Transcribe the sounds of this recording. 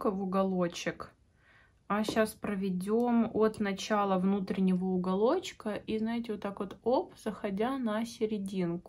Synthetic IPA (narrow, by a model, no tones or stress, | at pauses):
kəvʊɡɐlˠot͡ɕɪk | aɕaspɾəvʲɪdʲo̞mot̪nɐt͡ɕalˠəvnut̪ɾʲɪnʲɪvəʊɡɐlˠo̞t͡ɕkəʔiznajɪtʲɪvot̪ːakvot̪opz̥əxɐdʲanɐsʲɪɾʲɪdʲinkʊ